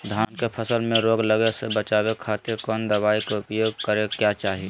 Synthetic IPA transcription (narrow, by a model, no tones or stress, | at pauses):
d̪ʱaːnkepʰəsəlmẽɾoːɡləɡesebət͡ʃaːwekʰaːt̪ɪɾkɔːnd̪əbaːikeʊpjoːɡ̚kəɾekjat͡ʃaːɦi